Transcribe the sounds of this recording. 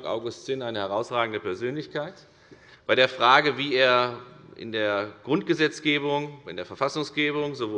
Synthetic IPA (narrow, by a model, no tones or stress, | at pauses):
kʔa̰ʊɡʊstt͡sɪːnaɪnəhɛʁ̞aʊsʁaːɡŋ̩dəpɛɐzøːnlɪçkaɪt | b̥aɪɾeːɐfʁ̥aːɡəviːeːɐʔɪ̰ndeːɐɡ̥ʁʊntɡ̥əzɛt͡sɡ̥eːbʊŋɪ̰ndeːɐfɛɐfasʊŋsɡ̥eːbʊŋzovo